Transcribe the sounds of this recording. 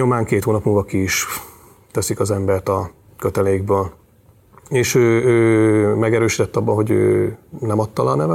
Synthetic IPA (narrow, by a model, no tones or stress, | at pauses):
o̞maːŋkeːt̪hoːnɒpmulvɒkiːʃ | t̪ɛsikɒzɛmbɛrt̪ɒ | køt̪ɛlɛjiɡ̚bøːl | eːʃøːøːmɛɡɛɾøːʃit̪ɛt̪ːɒbːɒɦo̞ɟø̰ːnɛmɒt̪ːɒlɒːnɛvɛ